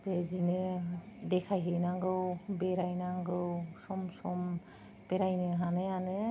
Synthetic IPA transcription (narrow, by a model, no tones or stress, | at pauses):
bezinedɛkʰajɦejnaŋɡɯwbeɾajnaŋɡɯwsɔmsɔm | b̥eɾajneɦaneane